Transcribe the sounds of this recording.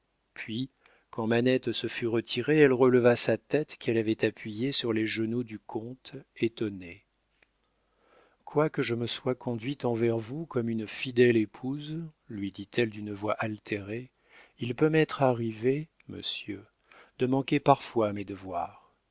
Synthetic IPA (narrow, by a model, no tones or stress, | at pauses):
pɥi | kɑ̃manɛt̪səfyʁət̪ʰiʁeɛlʁələvasat̪ɛt̪kʲʰɛlavɛt̪apɥijesyʁleʒənud̪ykʰɔ̃t̪et̪ɔne | kwakəʒəməswakʰɔ̃d̪ɥit̪ɑ̃vɛʁvukɔmynfid̪ɛlepʰuz | lɥid̪it̪ʰɛld̪ynəvwaʔalt̪ʰeʁe | ilpømɛt̪χaʁive | mə̰sjø | d̪əmɑ̃kʲepaʁfwaːmed̪əvwaːʁ